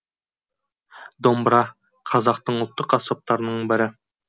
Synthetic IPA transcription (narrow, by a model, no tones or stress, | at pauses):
d̪ombɾɑ | qʰɑzɑqt̪ɤɴolˠt̪ːoqɑsɑp̚t̪ɑɾnɤɴbɘ̆ɾɘ